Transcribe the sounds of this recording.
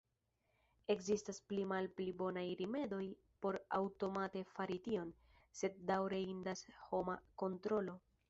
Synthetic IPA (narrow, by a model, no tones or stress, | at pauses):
e̞kzistasplimalplibo̞najɾime̞do̞j | po̞ɾa̰wto̞mate̞faɾitio̞n | se̞d̚ːawɾeindasho̞mako̞ntɾo̞lo̞